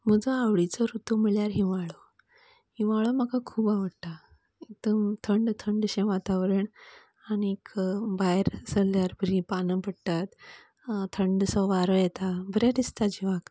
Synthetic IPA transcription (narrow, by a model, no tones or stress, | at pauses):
məd͡zəawɭit͡səɾut̪umiɭjaɾɦĩʋaɭo | hiʋaɭomakakʰuːbaʋəɽt̪a | ek̚t̪əmt̪ʰəɳɖt̪ʰəɳɖɕẽʋat̪aʋɾəɳ | añikʰbaɦeɾsəlːjaɾbəɾipanəpəɽʈ̪at̪ | t̪ʰəɳɖsɔʋaɾəjɛt̪abəɾjad̪ist̪ad͡ʑiʋak